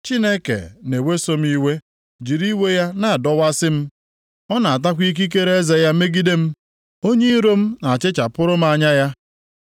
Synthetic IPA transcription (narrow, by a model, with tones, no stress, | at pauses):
t͡ʃi˦ne˦kḛ˨ne˨we˦so˦m̩˦i˦we˦ | d͡ʒi˨ɾi˦we˦ja˦na˨dɔ˦wa˦sɪ˦m̩˦ | ɔ˦na˨a˨t̬a˦kʷi˦k̬i˦k̬e˦ɾe˦e˦ze˨ja˦me˦ɡi˦de˦m̩˦ | o˦ɲe˦i˦ɾo˦m̩˦na˨t͡ʃɪ˦t͡ʃa˨pʊ˦ɾʊ˦m̩˦a˨ɲa˦ja˦